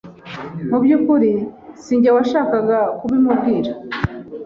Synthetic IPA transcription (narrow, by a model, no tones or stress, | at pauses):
mubjukuɾisiːɲɟawaʃaːkaɡakuβimubɡiːɾa